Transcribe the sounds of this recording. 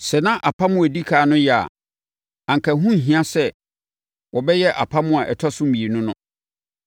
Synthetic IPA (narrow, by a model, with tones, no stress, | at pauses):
sɛ˨nã˦ʔa˨pʰa˦mʊ̃˦æ˨di˦kʰaː˨nʊ̃˦jɛ˨a̰˨ | ã˨ŋ˨kʰa˨ɦũ˦˨ɦĩ˨˦ã˦sɛ˦ | wɔ˨bɛ˦jɛ˦ʔa˨pʰa˦mʊ̃˦a˨ʔɛ˨tʰɔ˦sʊ̃˦m̩˦mi˨e˨nʊ̃˦nʊ̃˦